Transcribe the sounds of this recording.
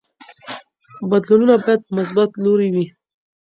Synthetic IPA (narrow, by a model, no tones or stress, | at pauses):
bad̪lununabɑjad̪̚pəmʊs̬bat̪loɾiwi